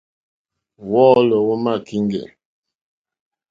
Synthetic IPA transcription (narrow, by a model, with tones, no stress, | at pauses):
wɔː˦lɔ˨wo˦ma˦˨ki˦ŋɡɛ̰˨